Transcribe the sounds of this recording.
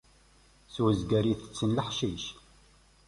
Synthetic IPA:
swəzɡæɾiθə̥t͡sːənləħʃiʃ

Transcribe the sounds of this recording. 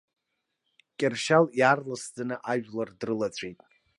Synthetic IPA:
kʲʼɪrʃaljarlasd͡zanɨʔaʒᶣlardrɨlat͡sʷʼʰejtʼ

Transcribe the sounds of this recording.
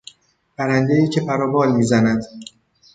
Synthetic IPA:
pʰæɾænd̪eiːcʰe̞pʰæɾɒːbɒːlmiːzænæd̪

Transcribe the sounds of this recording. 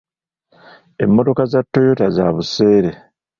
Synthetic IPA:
e̞mːo̞to̞kazatːo̞jo̞tazaβuse̞ːɾe̞

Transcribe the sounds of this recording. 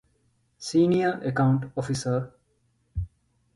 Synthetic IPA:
siːnijəɾekaʊɳʈofisəɾ

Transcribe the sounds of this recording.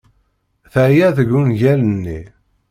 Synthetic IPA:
θəjæθəɡːunʝælənːi

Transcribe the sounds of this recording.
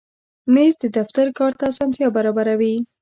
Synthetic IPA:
mezd̪əd̪aft̪aɾkɑɾt̪aːsɑnt̪jɑbaɾɑbaɾawi

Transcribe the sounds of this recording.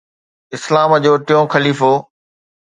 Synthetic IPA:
ɪslaːməd͡ʑoːʈɪjõːxɐliːfoː

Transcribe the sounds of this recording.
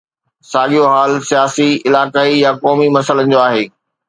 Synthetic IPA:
saːɠijoɦaːlsijaːsiɪlaːkaːijakɔːmimɐsələnɪ̆d͡ʑoːaːɦeː

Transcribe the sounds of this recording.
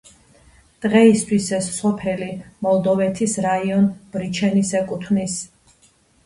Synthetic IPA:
d̪̥ʁɛist̪ʰwisɛsːɔpʰɛlimɔlˠd̪ɔvɛt̪ʰisɾaiɔnb̥ɾit͡ʃʰɛnisɛkʼut̪ʰnis

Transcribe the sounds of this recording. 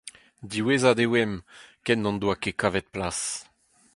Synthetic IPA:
d̪iwezad̪ewɛmkɛnːɑ̃nd̪wakekavɛt̪̚plas

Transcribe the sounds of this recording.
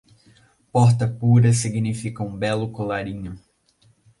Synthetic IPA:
pɔɾt̪ɐpuɾɐsiɡnifikɐũbɛlʊkolaɾĩɲʊ

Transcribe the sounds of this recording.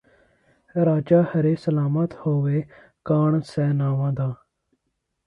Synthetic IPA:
ɾaːd͡ʒaːhəɾeːsəlaːmət̪hoːʋeː | kaːɳsɛːnaːʋãːd̪aː

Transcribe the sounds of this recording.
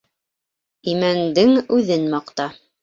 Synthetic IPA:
imænd̪ɘŋʉðɘnmɑqt̪ɑ

